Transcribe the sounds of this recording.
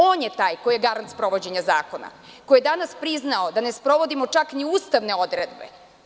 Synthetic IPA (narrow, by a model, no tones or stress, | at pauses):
o̞ːnjet̪aːjkojeɡaɾant̪spɾo̞ʋo̞d͡ʑe̞ɲazaːkona̰ko̞jed̪anaspɾiznaod̪anespɾo̞ʋo̞d̪imo̞t͡ʂakniuːst̪aʋne̞o̞d̪ɾed̪bḛ